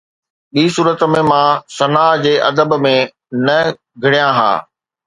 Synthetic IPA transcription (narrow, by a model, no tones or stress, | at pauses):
ɓiːsuːɾət̪mẽmãsɐnaːɦd͡ʑeːʔɐd̪əbmẽ | nɐ | ɡʱɐɽijãɦa̰ː